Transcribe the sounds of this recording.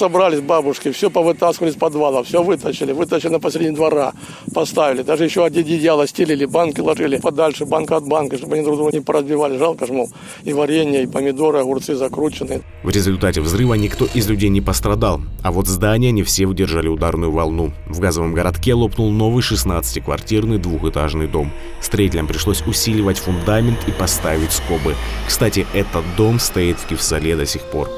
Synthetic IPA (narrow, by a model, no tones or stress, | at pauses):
sɐbɾalʲɪsʲbabʊʂkʲɪfsʲopəvɨt̪askʲɪvəlʲɪsʲpɐd̪valˠəfsʲovɨt̪əɕɪlʲɪvɨt̪əɕɪlʲɪnəpɐsʲlʲɾʲedʲnʲɪd̪vɐɾa | pɐst̪avʲɪlʲɪd̪aʐɨjɪɕːoɐdʲɪdʲɪdʲjalˠɐsʲtʲɪlʲɪlʲɪbankʲɪlˠɐʐɨlʲɪpɐd̪alʲʂɨbankɐɐd̪̚bankɐʂt̪o̞bɨɐnʲid̪ɾʊd̪ovənʲɪpəɾəzbʲɪvalʲɪʐalˠkəʐmolˠ | ivɐɾʲenʲɪjəipəmʲɪd̪o̞ɾɨɐɣʊrt̪sɨzɐkɾut͡ɕɪnːɨ | vɾʲɪzʲʊlʲt̪atʲɪvzrɨvənʲɪkt̪o̞ʔɪzlʲʉdʲejnʲɪpəst̪ɾɐd̪alˠɐvo̞t̪zd̪anʲɪjənʲɪfsʲevɨdʲɪrʐalʲɪʊd̪arnʊjʊvɐlˠnu | vɡazəvəmɡəɾɐt̪kʲelˠo̞pnʊlˠno̞vɨjʂɨsnat̪sɨ̥tʲɪkvɐ̰rtʲirnɨjd̪vuxɨt̪aʐnɨjd̪o̞m | fst̪ɾɐitʲɪlʲəmpɾʲɪʂlˠo̞sʲʊsʲilʲɪvətʲfʊnd̪amʲɪnt̪ʰipɐst̪avʲɪtʲsko̞bɨkst̪atʲɪʔɛt̪ət̪̚d̪o̞mst̪ɐit̪fʲkʲɪfsɐlʲed̪ɐsʲixpo̞̰r